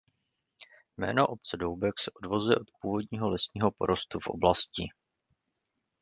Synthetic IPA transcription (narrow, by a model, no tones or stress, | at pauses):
mɛ̰ːno̞ʔo̞p̚t͡sɛdowbɛksɛʔodvo̞zujɛʔo̞t̪puːvo̞dɲiːɦo̞lɛsɲiːɦo̞po̞ɾo̞st̪ufʔo̞̰blascɪ